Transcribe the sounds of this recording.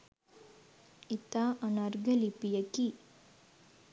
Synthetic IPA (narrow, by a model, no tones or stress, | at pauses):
it̪aʔɐnaɾɡɐlipijɐki